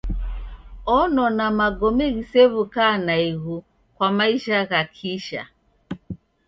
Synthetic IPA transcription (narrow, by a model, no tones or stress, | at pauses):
ɔnɔnamaɡɔmɛɣisɛβukanaiɣu | kwamaiʃaɣakʰiʃa̰